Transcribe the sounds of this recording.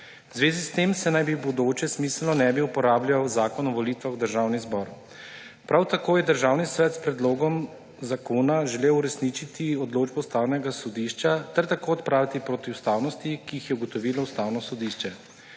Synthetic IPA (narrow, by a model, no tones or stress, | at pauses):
zʋeːzist̪eːmsɛnajbibɔd̪oːt͡ʃɛsmiːslnɔnɛbiupɔɾaːblʲjʲawzaːkɔnɔʋɔliːt̪ʋaxwd̪əɾʒawnizbɔɾ | pɾʔawt̪akoːjɛd̪əɾʒaːwnisʋɛt̪spɾɛd̪loːɡɔm | zakoːnaʒɛlewuɾɛsnit͡ʃit̪iɔd̪loːd͡ʒbɔwst̪awnɛɡasɔd̪iʃt͡ʃat̪ɛɾt̪akoːɔt̪pɾaːʋit̪ipɾoːt̪iwst̪aːwnɔst̪ikiixjɛuɡɔt̪ɔʋiːlɔust̪awnɔsɔd̪iːʃt͡ʃɛ